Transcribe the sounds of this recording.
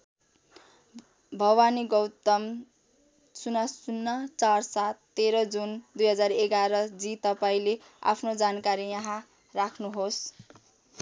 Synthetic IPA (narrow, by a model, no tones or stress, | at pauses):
bʱʌɡwaniɡʌwt̪ʌm | sunasunːat͡sarsat̪ːeɾʌd͡zund̪ujɦʌd͡zareɡaɾʌd͡zit̪ʌpaĩle | a̰pʰnod͡zankaɾijãɦã | rakʰnuɦos